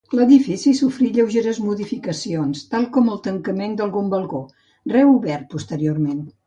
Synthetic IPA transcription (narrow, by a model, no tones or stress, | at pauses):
ləðifisisufɾiʎəwʒeɾəzmuðifikəsionst̪alˠkɔməlˠt̪əŋkəmend̪əlˠɣumbəlˠɣo | rɛuβɛɾt̪̚pust̪əɾioɾmen